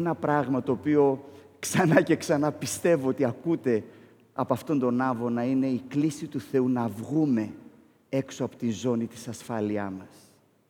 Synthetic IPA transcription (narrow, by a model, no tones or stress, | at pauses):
enɐpɾɐɣmɐt̪o̞ːpio̞ | ksɐnɐce̞ksɐnɐpist̪e̞voot̪iɐkut̪e̞ | ɐpoɐft̪o̞nd̪o̞nɐvo̞nɐine̞iklisit̪uθe̞unɐvɣume̞ | e̞ksoɐpo̞t̪inzo̞nit̪i̥sɐsfɐliɐmɐs